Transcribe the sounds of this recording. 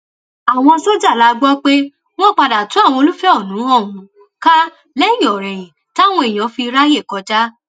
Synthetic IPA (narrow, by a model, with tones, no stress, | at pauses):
a˨w̃ɔ̃˧sɔ˦d͡ʒa˦˨la˨˦˧ɡ͡bɔ˦k͡pe˦ | w̃ɔ̃˦k͡pa˧da˨tũ˨˦a˦˨w̃ɔ̃˧o˧lu˦fɛ˦ɔ˦˨nũ˨˦ɔ˦˨wũ˨˦ | ka˦ | lɛ˦jɔ˨ɾɛ˨j̃ĩ˨ | ta˦˨w̃ɔ̃˧e˨j̃ɔ̃˨˦fi˧ɾa˦je˦˨kɔ˨˦ta˦